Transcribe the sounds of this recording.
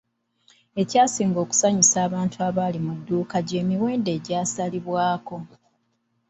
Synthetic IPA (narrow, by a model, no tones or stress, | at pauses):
e̞caːsiːŋɡo̞ːku̥saɲisaːβaːntʰuaβalimudːuːkaɟeːmiwe̞ːnde̞ːɟaːsaliβwaːko̞